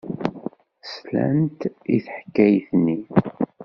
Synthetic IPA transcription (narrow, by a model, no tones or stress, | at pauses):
slæ̰nt̪iθħə̥kːæjθnːi